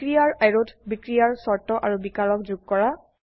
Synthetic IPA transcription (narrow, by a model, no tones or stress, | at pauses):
kɹijaɹajɹotbikɹijaɹsɔɹtɔʔaɹubikaɹɔkzuɡ̚kɔɹa